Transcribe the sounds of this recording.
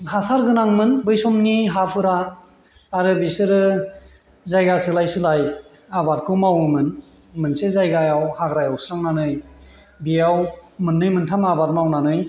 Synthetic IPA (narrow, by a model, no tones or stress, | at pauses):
hasaɾɡɯnaŋmɯnbɯjsɔmniɦapʰɯɾaː | ɾɯbisɯɾɯ | zajɡasɯlajsɯlaj | abat̚kʰɯmawɯmɯn | mɯnsezajɡajawhaɡɾajawsɾaŋnanɯj | bijawmɯnːɯjmɯntʰamabat̚mawnanɯj